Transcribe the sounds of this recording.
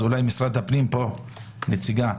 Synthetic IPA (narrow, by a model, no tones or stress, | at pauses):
ulajmisʁad̪hapnimpo̞ | net͡siɡa